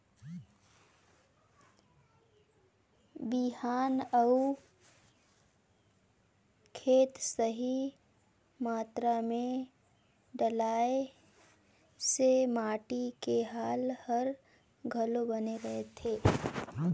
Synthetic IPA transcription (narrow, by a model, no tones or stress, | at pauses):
biɦaːnəu | kʰeːt̪səɦi | maːt̪ɾamẽ | ɖəlaːe | semaːʈikeɦaːlhɐəɾ | ɡʱɐlobɐneɾɐɦet̪ʰeː